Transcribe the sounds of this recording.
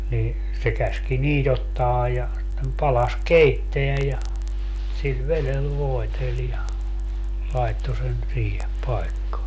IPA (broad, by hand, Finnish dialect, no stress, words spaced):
niː se kæski niːt otːɑː jɑ sitːem pɑlɑs keitːeæ jɑ sil ʋelel ʋoetel jɑ lɑi̯tːo sen siːhe pɑi̯kːɑː